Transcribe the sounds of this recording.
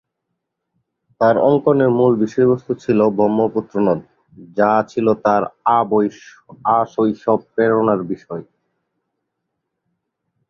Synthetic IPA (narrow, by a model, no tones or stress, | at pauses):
t̪aɾɔŋkoneɾmulbiʃoɾbost̪ʰot͡ɕʰilobʱɾɔmːoput̪ːɾonod̪̚ | d͡ʑat͡ɕʰilot̪aɾaboj | aʃojʃɔb̚peɾonaɾbiʃɔe